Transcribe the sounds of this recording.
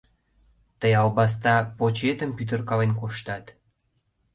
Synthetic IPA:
t̪əjɑlbɑs̬t̪ɑpot͡ɕet̪əmpyt̪̬ərkɑlenkoʃt̪ɑt̪

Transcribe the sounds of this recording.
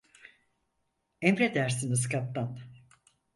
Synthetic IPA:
ɛmɾed̪æɾsinɯs̬kat̪ːan

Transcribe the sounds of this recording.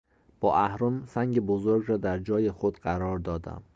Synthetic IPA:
b̥ɒːʔæhɾomsæŋɟebozoɾɡɾɒːd̪æɾd͡ʒɒːjexod̪ɢæɾɒːɾd̪ɒːd̪æ̰m

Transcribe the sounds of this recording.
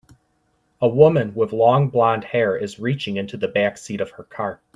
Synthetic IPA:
əwʊmɨ̃nwɪðlɔ̃ŋblɑ̃nd̥̚hɛɹɪzɹit͡ʃɪ̃ŋɪ̃ntʰʉðɨbæksiɾʌv̥ə˞kʰɑɹt̚

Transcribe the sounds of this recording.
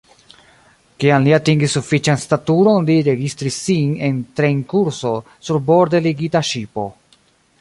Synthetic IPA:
kiamliatiŋɡisːufit͡ʃanstatuɾo̞nliɾe̞ɡistɾisːine̞ntɾeiŋkuɾso̞ | suɾbo̞ɾdeliɡitaʃipo̞̰

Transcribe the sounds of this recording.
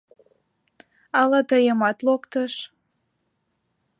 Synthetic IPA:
ɑlɑt̪əjəmɑt̪lokt̪əʃ

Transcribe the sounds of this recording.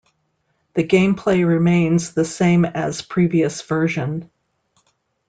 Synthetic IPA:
ðɨɡẽɪ̃mpʰl̥eɪɹɪmẽɪ̃nzðɨsẽɪ̃mɨz̥pʰɹ̥iviɨsv̥ɜ˞ʒɨ̃n

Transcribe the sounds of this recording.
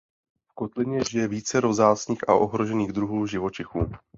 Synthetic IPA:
fko̞t̪lɪɲɛʒɪjɛviːt͡sɛɾo̞zaːt͡sɲiːxʔa̰ʔo̞ɦɾo̞ʒɛniːɣd̪ɾuɦuːʒɪvot͡ʃɪxuː

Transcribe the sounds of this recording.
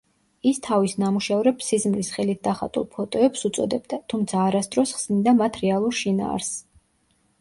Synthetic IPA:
ist̪ʰavisnamuʃavɾɛpsizmlisχɛlit̪̚ʰd̪aχa̰t̪ʼṵlˠpʰɔt̪ʼɔɛpsut̪sʼɔd̪ɛbd̪at̪ʰumt̪sʰaːɾasd̪ɾɔsχsnid̪amat̪ʰɾɛalˠuɾʃina̰ːɾs

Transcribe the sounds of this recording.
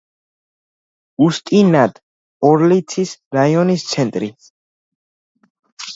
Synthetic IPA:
ust̪ʼinad̪ | ɔɾlit̪sʰisɾaiɔnist̪sʰɛnt̪ʼɾi

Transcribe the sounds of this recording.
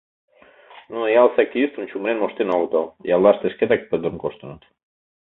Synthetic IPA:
nujalˠsɛkːiist̪unʲt͡ʃumbɾenmost̪enɔlt̪ojalˠːast̪esket̪ak̚peoŋkost̪onot̪

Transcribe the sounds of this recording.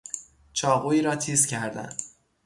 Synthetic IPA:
t͡ʃʰɒːɣuːiːɾɒːt̪ʰiːscʲʰæɾd̪æ̰n

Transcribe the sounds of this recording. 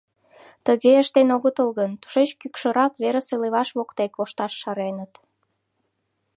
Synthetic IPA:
t̪əɣeəʃt̪enoɣət̪əlɣənt̪u̥ʃet͡ɕkykʃəɾɑkβeɾəseleβɑʃβokt̪ekoʃt̪ɑʃːɑɾenət̪

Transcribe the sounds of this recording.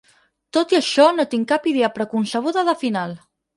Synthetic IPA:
t̪ot̪iəʃɔnot̪iŋkapið̞eəpɾəkunsəβ̞uðəðəfinal

